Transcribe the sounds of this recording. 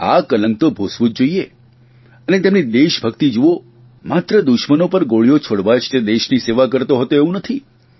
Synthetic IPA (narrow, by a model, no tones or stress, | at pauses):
a̰kələŋɡ̚t̪obʱosʋũd͡ʒoie | ənet̪emnid̪eʃbʱəkt̪id͡ʒuʋo | mat̪ɾəd̪ʊʃmənopəɾɡoɭijot͡ʃʰoɽʋaʃted̪eʃniseʋakəɾt̪oɦət̪oeʋũnət̪ʰi